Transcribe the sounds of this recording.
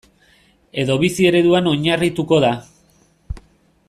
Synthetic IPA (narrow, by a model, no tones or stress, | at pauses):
e̞ðo̞βisie̞ɾe̞ðuano̞ɲarit̪uko̞ða